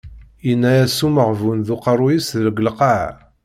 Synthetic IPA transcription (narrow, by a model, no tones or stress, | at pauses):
jənːæjæsuməʁvunðuqɑrˤujisðəlɡəlqaʕ